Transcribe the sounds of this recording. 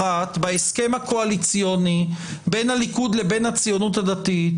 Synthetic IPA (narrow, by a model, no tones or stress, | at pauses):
at̪baeske̞makoalit͡sijo̞ni | be̞nhalikud̪le̞be̞nat͡sijo̞nutadat̪i